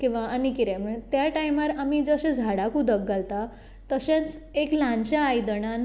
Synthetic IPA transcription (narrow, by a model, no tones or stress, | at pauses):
kĩw̃ʋaanikiɾãm̤əɭt̪jaʈajmaɾamid͡zəɕẽd͡zʱaɽakud̪ək̚ɡalt̪a | t̪əɕãt͡seklãɲt͡ɕjaːjd̪əɳan